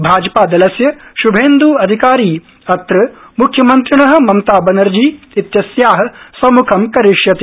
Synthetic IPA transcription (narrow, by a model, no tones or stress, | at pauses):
bʱaːd͡ʒɐpaːd̪ɐlɐsjɐʃubʱeːnd̪uːɐd̪ʱikaːɾiː | ɐt̪ɾɐ | mukʰːjɐmɐnt̪ɾiɳɐɦɐ̆mɐmt̪aːbɐnɐɾd͡ʒiː | it̪jɐsjaːɦɐ̆sɐmukʰɐmkɐɾiʂjɐt̪i